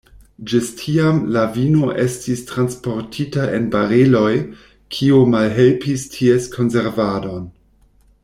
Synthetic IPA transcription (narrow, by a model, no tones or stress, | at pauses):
d͡ʒistʰiamlavinoʔe̞stistɾanspo̞ɾtʰitaʔe̞̰nbaɾelo̞j | kʰiumalɦelpistʰieskʰo̞nse̞ɾvado̞n